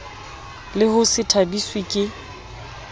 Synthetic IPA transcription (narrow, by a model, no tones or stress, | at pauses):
lɪhʊsɪtʰabiswikʼɪ